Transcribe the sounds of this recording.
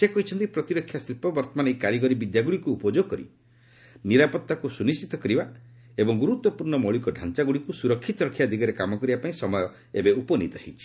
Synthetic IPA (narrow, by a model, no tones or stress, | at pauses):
sekɔɦit͡ʃʰɔnt̪ipɾɔt̪iɾɔkʰːjasɾipɔbɔɾt̪ɔmanekaɾiɡɔɾibid̪jaɡuɭikuːpɔd͡ʒoɡɔkɔɾḭ | niɾapɔt̪ːakusunist͡ʃit̪ɔkɾiba | ebɔŋɡuɾut̪wɔpuɾɳɔmɔɭikɔɖʱant͡ʃaɡuɭikusuɾɔkʰːit̪ɔɾɔkʰːjad̪ʱiɡɔɾekamɔkɔɾibapaĩsɔmɔjɔ | ebeupɔnḭt̪ɔɦḭt͡ʃʰi̥